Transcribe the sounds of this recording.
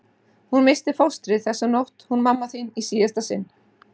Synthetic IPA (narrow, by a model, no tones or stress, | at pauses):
hunmɪst̪ɪfowst̪ɾɪθɛsːanowht̪hunmamːaθɪnisiːast̪asɪ̰nː